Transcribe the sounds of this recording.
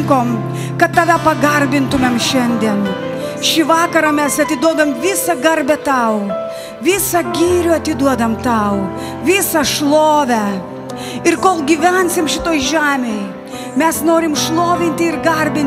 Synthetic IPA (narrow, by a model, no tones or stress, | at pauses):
ŋkoːm | kɐt̪t̪ːɑʋʲɛpɐɡɐɾʲbʲɪnt̪ʊmʲemʃʲɛnʲd̪ʲiɛn | ʃʲɪʋɑːkɐɾɐmʲɛsɐt̪ʲɪd̪uɔd̪ɐmʋʲɪsɐɡɐɾʲbʲɛt̪ɐʊ | ʋʲɪsɐɡʲiːɾʲʊɐt̪ʲɪd̪uɔd̪ɐmt̪ɐʊ | ʋʲɪsɐʃlˠoːʋʲæ | ɪrkoːlˠɡʲiʋʲænʲsʲɪmʃʲɪt̪oːjʒʲæːmʲɛj | mʲɛsnoːɾʲɪmʃlˠoːʋʲɪnʲt̪ʲɪɪrɡɐɾʲbʲɪnʲ